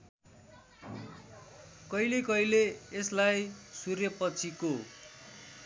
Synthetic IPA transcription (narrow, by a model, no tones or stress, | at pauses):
kʌjlekʌjleːslajsurjʌpʌt͡sʰiko